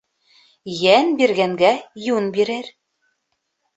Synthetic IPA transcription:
jænbiɾɣæŋɡæjunbiɾɘɾ

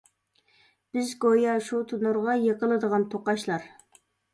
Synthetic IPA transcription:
b̥ɪzɡojɑʃut̪ʰunuɾʁɑjeqəlˠɨd̪əʁɑnt̪ʰoqɑʃlˠɑɾ

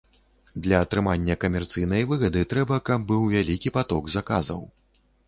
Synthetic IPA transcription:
d̪lʲɐːt̪ɾɨmanʲːɐkɐmʲɛrt̪sɨjnɐjvɨɣɐd̪ɨt̪ɾɛbɐkɐb̚ːɨwvʲalʲikʲipat̪ɔɡzaka̰zɐw

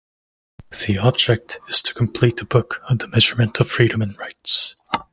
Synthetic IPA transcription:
ðiɑb̚d͡ʒɛk̚tɨz̥tʰə̥kʰm̩pʰl̥it̪əbʊkʌ̃nðəmɛʒə˞mɨ̃ntʰʌv̥fɹiɾə̃mɨ̃nɹaɪts

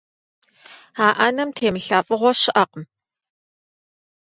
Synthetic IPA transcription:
aːʔɐnɐmtʰeːmɨɬaːfʼɨʁʷɔɕɪʔɐqm

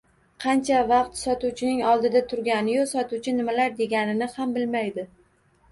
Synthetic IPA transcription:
qʰɑnt͡ʃʰavɑq̚t̪sɒt̪uwt͡ʃʰɪnɪŋɒlˠd̪ɪd̪at̪ʰʊɾɡʲanɪjosɒt̪uwt͡ʃʰɪnɪmalaɾd̪e̞ɡʲanɪnɪhambɪlmajd̪ɪ

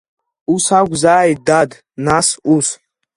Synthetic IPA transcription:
usaɡʷzaːjdad | nasus

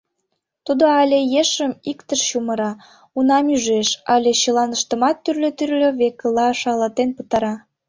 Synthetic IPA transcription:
t̪ud̪oɑlʲejeʃəmikt̪əʃɕuməɾɑ | unɑmyʒeʃɑlʲeɕəlɑnəʃt̪əmɑt̪ːyrlʲøt̪yrlʲøβekəlɑʃɑlət̪enpət̪ɑɾɑ

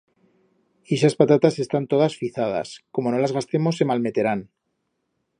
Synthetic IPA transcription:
eʃaspat̪at̪ase̞st̪ant̪o̞ð̞asfiθað̞a̰sko̞mo̞no̞lazɣast̪e̞mo̞sːe̞malme̞t̪e̞ɾan

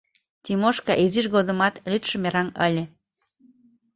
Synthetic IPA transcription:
t̪ʲimoʃkɑʔeziʃɣod̪ə̆mɑt̪lʲyt̪ʃə̆meɾɑnəlʲĕ

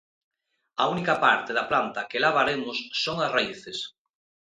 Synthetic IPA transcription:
aunikɐpaɾt̪eðaplant̪ɐkelaβaɾemʊsːoŋasraiθes

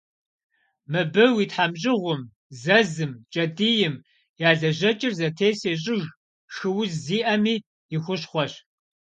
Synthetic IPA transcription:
mɨbɨwiːtħamɕʼɪʁʷʊm | zɐzɨmt͡ʃʼɐdijɪm | jaːɮɐʑɐt͡ʃʼɪrzɐtʰeːseːɕ̬ʼɪɣ | xɨwʊzziːʔɐmiː | jɪxʷʊɕχʷɔɕ

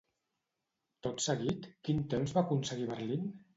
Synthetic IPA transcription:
t̪ot̪səɣit̪kint̪emzβaːkunsəɣiβəɾlin

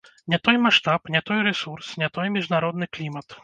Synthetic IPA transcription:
nʲɛt̪ɔjmaʂt̪apnʲɛt̪ɔjɾɛsursnʲɛt̪ɔjmʲiʐnaɾɔd̪nɨklʲimɐt̪

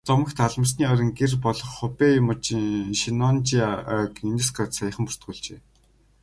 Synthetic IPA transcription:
t͡sɔmə̆xt̪ʰaɮmə̆s̬niːɔɾʲɪ̆ŋɡerpɔɮɞ̆χːʊpʲemʊt͡ɕʃinɔnt͡ɕikines̬krɔt̪sajə̆χə̆mpur̥t̪̚ɡuːɮt͡ɕḛː

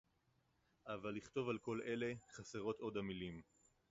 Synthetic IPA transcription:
ʔavalːiχt̪o̞valko̞lʔe̞le̞χaseʁo̞t̪o̞d̪hamilim

